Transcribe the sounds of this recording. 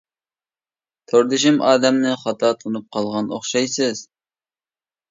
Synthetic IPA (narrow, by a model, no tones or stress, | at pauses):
t̪ʰoɾd̪ɪʃɪmɑːd̪ɛmnɨχɑt̪ʰɑt̪ʰunup̚qʰɑlˠʁɑnoχʃɑjsɨz̥